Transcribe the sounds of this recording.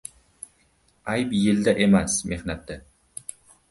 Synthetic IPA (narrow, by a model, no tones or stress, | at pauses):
ajpjɪld̪aʔe̞masme̞hnat̪ːɪ